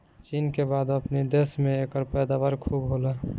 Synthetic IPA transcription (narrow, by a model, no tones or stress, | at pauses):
t͡ʃinkebad̪əpnid̪esmeekəɾpəjd̪aβəɾkʰubɦolə